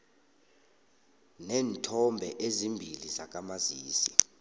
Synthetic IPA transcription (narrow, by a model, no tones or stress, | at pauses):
nɛːntʰɔmbʱɛʔezimbʱilizak̬ʼamaziːsi